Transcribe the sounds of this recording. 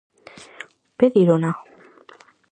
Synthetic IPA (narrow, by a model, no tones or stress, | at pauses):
peðiɾona